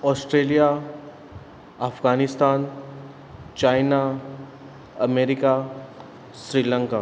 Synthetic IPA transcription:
ɔːsʈɾeːlija | afɡaːnɪst̪aːn | t͡ʃaːɪna | ɐmeːɾɪka | sɾiːlə̃ŋkaː

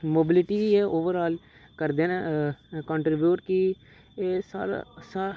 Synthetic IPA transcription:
moːbɪlɪʈiːʋiːɛːʔoːʋəɾaːl | kəɾd̪eːnẽkə̃ːɳʈɾɪbjuːʈkɪ | eːsaːɾa̰saː

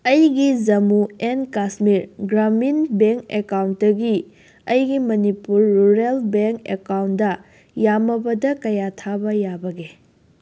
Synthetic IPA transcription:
ɐjɡid͡ʒɐmuenkasmiɾɡɾaminbeŋkekawnt̚dɐɡi | ɐjɡimɐnipuɾːuɾelbeŋkḛkawndɐ | jamɐbɐdɐkɐjatʰabɐjabɐɡe

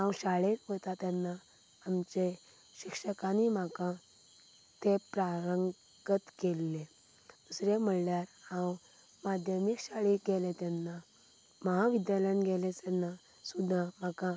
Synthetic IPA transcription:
ɦãwɕaɭekʋot̪at̪janːaː | mt͡ɕe | ɕikʂəkanim̤akã | t̪epɾaɾəŋɡ | ɡət̪kelːe | d̪̥usɾem̤əɭljaɾãw | mad̪ʱjəmikɕaɭiɡelet̪janːa | məɦaʋid̪jalənɡʱelesanːa | sud̪ʱːãm̤akã

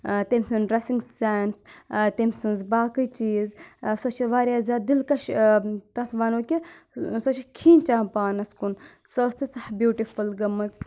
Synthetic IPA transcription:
t̪emʲsɨnɾɐsiŋɡsaːnst̪emʲsɨnzbaːkɨjt͡ʃiːzsot͡ʃʰʋaːɾjaːzʲaːd̪ilkɐʃt̪ɐt̪ʰʋaːnoːkʲi | sot͡ʃʰikʰiːnt͡ʃaːpaːnɐskun | sɐːst̪it͡sɐhbjuːʈifulɡɐmɐt͡s

